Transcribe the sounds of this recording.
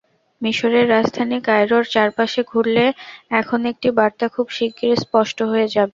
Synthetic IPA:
miʃoɾeɾːad͡ʑd̪ʱanikajɾoɾt͡ɕaɾpaʃeɡʱuɾleɛkʰonek̚ʈibaɾt̪akʰubʃikːɾespɔʃʈoɦoed͡ʑabe

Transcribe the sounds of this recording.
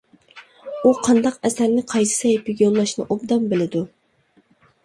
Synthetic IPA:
uqʰɑnd̪ɑqɛsæɾnɪqʰɑjsɨ̥sɑjipʰɪɡʲjolˠːɑʃnɨ̰ʔobd̪ɑmbɪlɪd̪u

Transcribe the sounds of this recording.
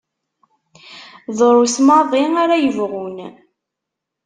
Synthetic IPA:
ðˤɾˤusmɑðˤiaɾajəvʁun

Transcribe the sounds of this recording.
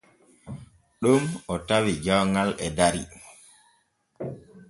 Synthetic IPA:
ɗumɔtawid͡ʒawŋɡalɛdaɾḭ

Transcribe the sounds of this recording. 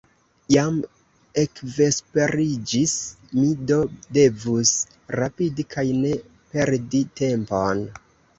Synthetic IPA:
jam | e̞kve̞spe̞ɾid͡ʒis | mido̞de̞vus | ɾapidikʰajne̞ | pe̞ɾdite̞mpo̞n

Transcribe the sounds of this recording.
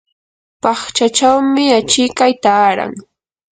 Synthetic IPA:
pɑχt͡ʃat͡ʃawmɪat͡ʃɪkajt̪aːɾa̰ŋ

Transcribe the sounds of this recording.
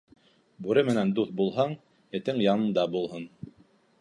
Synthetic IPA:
bʉɾɘmɘ̆nænd̪uθbulˠɦɑɴ | jɘ̆t̪ɘŋjɑnɤ̆nd̪ɑbulˠɦɤn

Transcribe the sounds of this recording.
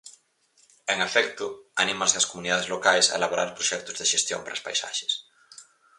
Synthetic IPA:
eŋafɛkt̪ʊanimɐzðɐskomuniðaðezlokajsa̰ḛlaβoɾa̰ɾpɾoʃɛk̚t̪ʊzðeʃest̪jo̰ŋpaɾɐ̰spa̰jsa̰ʃe̥s

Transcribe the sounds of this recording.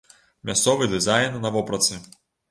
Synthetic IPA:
mʲast̪sɔvɨd̪ɨzajnnɐvɔpɾɐt̪sɨ

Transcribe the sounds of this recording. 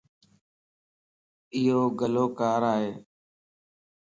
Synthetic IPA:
ɪɦoːɡəloːkaːɾaːɦeː

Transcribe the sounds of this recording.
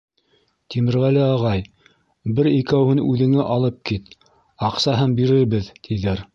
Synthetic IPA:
t̪imɘ̆ɾʁælɘɑʁɑj | bɘɾikæwhɘnʉðɘ̆ŋɘʔɑlˠɤp̚kit̪ | ɑqsɑɦɤnbiɾɘɾβɘðt̪ʰiðæɾ

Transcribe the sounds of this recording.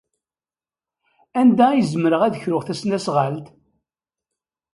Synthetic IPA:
ænd̪æjəzəməɾəʁæðəçɾʊʁθæsnæsʁalt̪

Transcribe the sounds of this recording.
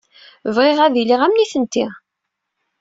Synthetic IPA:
vʁeʁæðiliʁæmniθənt̪ːi

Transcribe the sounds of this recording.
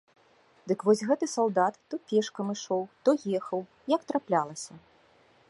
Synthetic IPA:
d̪ɨkvɔsʲɣɛt̪ɨsalˠd̪at̪ːɔpʲɛʂkɐmɨʂɔwt̪ɔjɛxɐw | jɐkt̪ɾaplʲalˠɐsʲɐ

